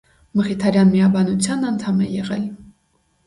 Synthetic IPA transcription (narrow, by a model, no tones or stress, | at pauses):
məχit̪ʰɑɾjɑnmijɑbɑnut͡sʰjɑnɑnt̪ʰɑmɛjɛʁɛl